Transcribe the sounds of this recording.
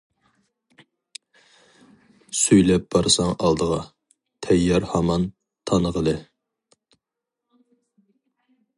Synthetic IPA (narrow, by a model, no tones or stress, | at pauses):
syjlɛp̚b̥ɑɾsɑŋɑlˠd̪əʁɑ | t̪ʰɛjːɑɾhɑmɑn | t̪ʰɑnəʁəlˠɨ